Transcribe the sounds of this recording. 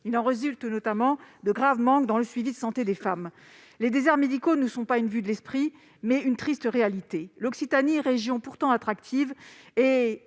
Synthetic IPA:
ilɑ̃ʁezylt̪nɔt̪amɑ̃d̪əɡʁavmɑ̃kd̪ɑ̃ləsɥivid̪əsɑ̃t̪ed̪efam | led̪ezɛʁmed̪ikonəsɔ̃paynvyd̪əlɛspχi | mɛynt̪χist̪ʁealit̪elɔksit̪aniʁeʒjɔ̃puʁt̪ɑ̃at̪χakt̪ʰive

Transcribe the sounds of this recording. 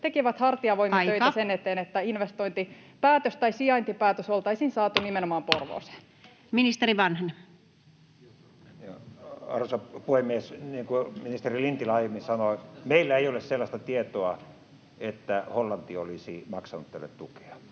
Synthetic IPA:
t̪ekiʋæt̪hɑrt̪iɑʋoimɑɑt̪øitːæsenet̪eːnet̪ːæinʋest̪oint̪ipæːt̪øst̪ɑisiɑnt̪ipæːt̪øsolt̪ɑisinsɑːt̪unimenomɑːmporʋo̰ːse̥ | minist̪eriʋɑnhne | jɑɑ̰rusɑpuhemːiesniːŋkuminist̪erilint̪ilɑjemːinsɑnomeilːæeiolesselːɑst̪ɑt̪iet̪oɑ | et̪ːæholːɑnt̪iolisimɑksɑnut̪t̪æ̰lːḛt̪t̪uke̥ɑ

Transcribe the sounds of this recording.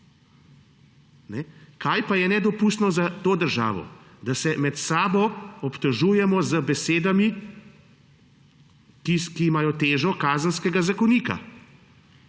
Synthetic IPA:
nɛkʰaːjpajɛnɛd̪ɔpust̪nɔzat̪oːd̪əɾʒa̰ːʋɔ̰d̪asɛmɛt̪saːbɔɔpt̪ɔʒuːjɛmɔzəbɛseːd̪ami | kikiːmaːjɔt̪eːʒɔkaːzənskɛɡazakɔniːka̰

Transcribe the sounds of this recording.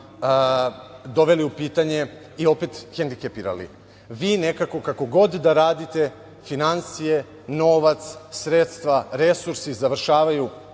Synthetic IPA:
d̪o̞ʋe̞liupiːt̪aɲe̞ | io̞pet̪xend̪ikepiɾa̰lḭ | ʋiːne̞kako̞kako̞ɡo̞d̪d̪aɾaːd̪it̪e̞ | finansije | no̞ʋat̪ssɾet̪st̪ʋaɾe̞suɾsizaʋr̩ʃaːʋaju

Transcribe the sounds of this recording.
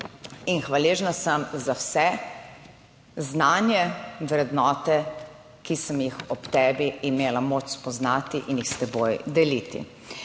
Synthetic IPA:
inxʋaleːʒnasəmzawsɛ | znaːnjɛwɾɛd̪nɔːt̪ɛ | kisəmjixɔpt̪ɛːbiimeːlamot͡ʃspɔznaːt̪iʔinjixst̪ɛboːjd̪ɛlit̪ḭ

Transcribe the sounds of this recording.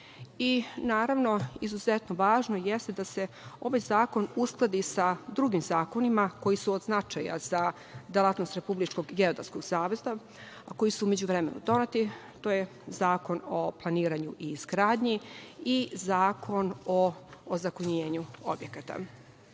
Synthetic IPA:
inaːɾaʋno̞izuzet̪noʋaːʒnojest̪ed̪ase̞ | o̞ʋajzaːko̞nusklˠad̪isad̪ɾuɡimzaːko̞nimako̞jisuod̪znat͡ʃaja̰z̥a | d̪elˠat̪no̞st̪ɾe̞publit͡ʃko̞ɡɡe̞o̞d̪a̰ɾsko̞ɡsaːʋe̞za | ako̞jisuume̞d͡ʑuʋɾemḛnṵd̪o̞net̪i | t̪oːje | zaːko̞noplˠaniːɾaɲuʔiːzɡɾaːd̪ɲiizaːkʰo̞nozakoɲeːɲuo̰bjekat̪a̰

